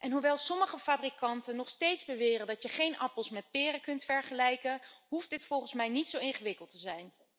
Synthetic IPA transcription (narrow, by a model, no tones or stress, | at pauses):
ʔɛnɦuʋɛlˠsɔməχəfaːbrikɑntənɔχstejtzbəʋɪːrəndɑtjəχejnʔɑpəlˠsmɛt̚pɪːrəkɵntfɛɹχəlɛjkəɦuft̚dɪtfɔlˠχənsmɛjnitsowɪŋχəʋɪkəlˠtəzɛjn